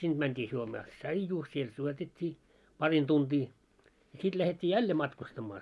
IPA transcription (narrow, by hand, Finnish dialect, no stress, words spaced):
sind̥ mæntʲiː juomɑː ts̆ɑijuː siel juotetʲːiː pɑrin tuntiː jɑ sit læhetʲːiː jælːe mɑtkustɑmːɑː